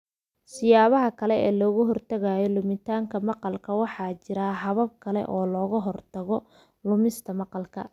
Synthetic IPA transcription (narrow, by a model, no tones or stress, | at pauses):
sɪjaːβɐɦɐkʰɐlɛɛːlɔːɣʊɦɔrt̪ʰɐɣaːjɔlʊmɪt̪ʰaːŋkʰɐmɑqɑlkʰɐwɑħɑːt͡ʃɪɾaːɦɐβɐb̚kʰɐlɛ̰ʔɔːlɔːɣɐɦɔrt̪ʰɐɣɔ | lʊmɪst̪ʰɐmɑqɑlkʰɐ